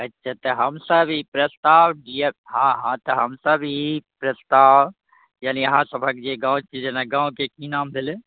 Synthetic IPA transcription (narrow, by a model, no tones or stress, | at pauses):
ətːʃʰat̪əɦəmsəbipɾəst̪aːwɖieɦãɦãt̪əɦəmsəbʱipɾəst̪aːw | jaːnijɐɦãsəbʱəkd͡ʒeɡãːw̃t͡ʃid͡ʒenaɡãːũkekinamb̪ʱele